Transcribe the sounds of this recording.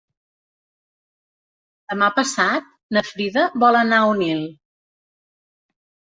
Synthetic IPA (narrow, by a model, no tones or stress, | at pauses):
d̪əmapəsat̪̚ | nəfɾiðəβɔlənaunilˠ